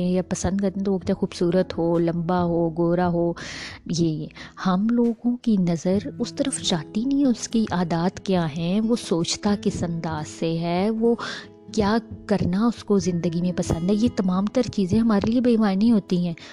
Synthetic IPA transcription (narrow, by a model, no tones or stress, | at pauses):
ẽjapɐsə̃nd̪̚kɐɾt̪ẽt̪oʋokt͡ʃaxuːbsuːɾət̪ɦoːlɐ̃mbaɦoːɡoːɾaɦoːjeihɐmloːɡõkinɐzəɾʊst̪ɐɾəft͡ʃaːt̪inɐĩʊskiʔaːd̪aːt̪kjaːɦɛʋosoːt͡ʃt̪akɪsɐ̃nd̪aːz̥seɦɛːʋoː | kjaːkɐɾnaʊskozɪ̃nd̪əɡimẽpɐsə̃nd̪ɦɛjet̪ɐmaːmt̪ɐɾt͡ʃiːzẽɦɐmaːɾeliebɐːmaːɾnĩɦoːt̪iɦɛ̃ː